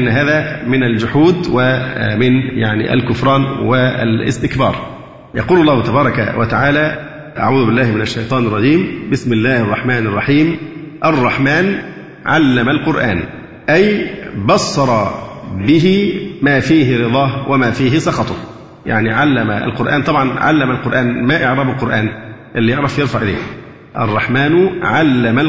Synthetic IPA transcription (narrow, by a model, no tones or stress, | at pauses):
ʔnːɦaːðæːmɪnæld͡ʒʊħuːd̪wɪmɪnjaʕnḭʔæ̰lkʊfɾˤɑːnwɪ̰lɪ̰st̪ɪkbɑ̰ːɾˤ | jɑquːlɑlˤːɑːhʊt̪ɑbɑːɾˤɑka̰wʔa̰t̪aʕaːlæː | ʔa̰ʕuːðʊbɪlːæːhmɪnaʃːajt̪ˤɑːnɑrˤːɑd͡ʒiːmbɪsmɪlːæːhʔɑrˤːɑħmaːnɑrˤːɑħiːmʔɑrˤːɑħmaːn | ʕalːæmalqʊɾʔa̰ːn | ʔæjbɑsːɑɾˤɑbɪɦɪmæːfiːɦɪɾɨd̪ˤɑːhwʔæmæːfiːɦɪsɑxɑt̪ˤʊ | ja̰ʕniʕalːæmæ̰ʔæ̰lqʊɾʔa̰ːnt̪ˤɑbʕɑnʕa̰lːæmælqʊɾʔaːnmæʔɪʕɾˤɑːbɪlqʊɾˤʔaːn | ʔɪlːijeʕɾˤɑfjɪɾfaʕʔɪlḛːk | ʔɑ̰rˤːɑħmæːnʕalːæmæl